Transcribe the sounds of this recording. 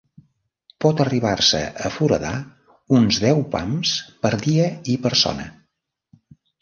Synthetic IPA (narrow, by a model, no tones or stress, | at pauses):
pɔt̪əriβ̞arsə̰ʔəfuɾə̰ða | unzðɛwpa̰mspəɾðiəipəɾsɔ̰nə̰